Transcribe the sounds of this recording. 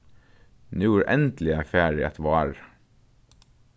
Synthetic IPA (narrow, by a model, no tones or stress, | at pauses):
nʉːuɾʔɛnt̪l̩ɪæfæːɹɪɛ̰t̪ʰʋɑːɹ